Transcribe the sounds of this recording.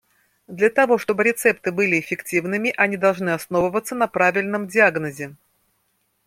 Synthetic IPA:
d̪lʲɐt̪ɐvo̞ʂt̪o̞bɨɾʲɪt̪sɛpt̪ɨbɨlʲɪɪfʲːɪktʲivnɨmʲɪʔɐnʲid̪ɐlˠʐnɨɐsno̞vəvət̪sːənɐpɾavʲɪlʲnəmdʲɪaɡnəzʲɪ

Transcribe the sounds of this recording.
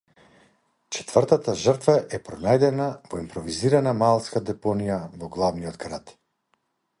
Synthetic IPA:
t͡ʃɛ̥t̪vərt̪at̪aʒərɾt̪vaʔɛpɾɔnajd̪ɛnavɔimpɾɔviziɾanamalˠskad̪ɛpɔnijavɔɡlˠavnijɔd̪ɡɾat̪

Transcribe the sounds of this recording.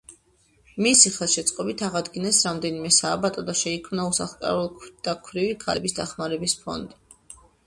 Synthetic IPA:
misiχɛlˠʃɛt̪sʼqʼɔbit̪ʰaʁad̪ɡinɛsɾamd̪ɛnimɛsaːbat̪ʼɔd̪aʃɛikʰmnausa̰χlkʼɛ̰ɾulˠd̪̥akʰwɾivikʰa̰lɛbisd̪aχmaɾɛbispʰɔ̰nd̪i

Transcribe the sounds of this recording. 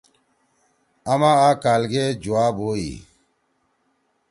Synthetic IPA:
amaːaːkalɡed͡ʒuaːboḭ

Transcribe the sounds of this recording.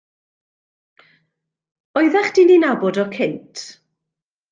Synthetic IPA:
ɔɨðɛχd̥ininabɔdɔkʰɪntʰ

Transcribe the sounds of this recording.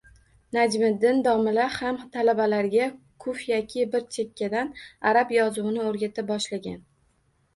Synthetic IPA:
nad͡ʒmɪd̪ːɪnd̪ɒmɪlahamt̪ʰalabalaɾɡʲa | kʰʊfjakʲʰɪbɪɾt͡ʃʰe̞kʲːad̪anaɾapjɒzʊwɪnɪoɾɡʲat̪ʰabɒʃlaɡʲa̰n

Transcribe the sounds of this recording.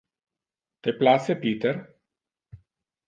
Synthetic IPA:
t̪eplasepit̪eɾ

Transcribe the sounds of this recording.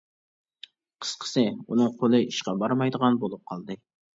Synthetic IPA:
qʰə̥sqʰə̥sɪunɨŋqʰolˠɨiʃqɑbɑɾmɑjd̪əʁɑnbolˠup̚qʰɑlˠd̪ɨ

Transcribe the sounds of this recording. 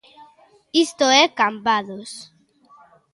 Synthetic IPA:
ist̪oɛkambaðos

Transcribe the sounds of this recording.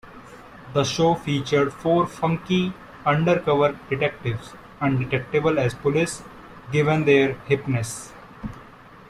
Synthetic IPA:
d̪əʃoːfiːt͡ʃəɾɖfoːɾfʌ̃ŋki | ʌ̃ɳɖəɾkʌʋəɾɖɖɪʈek̚ʈɪʋz | ɛ̃ɳɖɪʈek̚ʈɪbəlæzpʊlɪs | ɡɪʋə̃nd̪eːɾhɪpnes

